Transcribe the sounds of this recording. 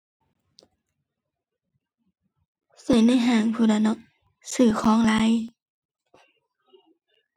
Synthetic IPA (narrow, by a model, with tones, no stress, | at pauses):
se˧˩˦na˧˥˨jɦaː˧˩ŋpʰuː˧˩da˧˩nɔ˧˩k̚ | sɯː˧˩kʰɔː˧˥˨ŋla˧˥˨j